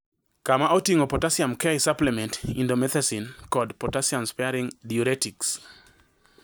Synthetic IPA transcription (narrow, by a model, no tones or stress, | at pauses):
kamaotiŋopɔtasiamkɛisaplɛmɛntindomɛθɛsinkɔdpɔtasianspɛaɾiŋdioɾɛtiks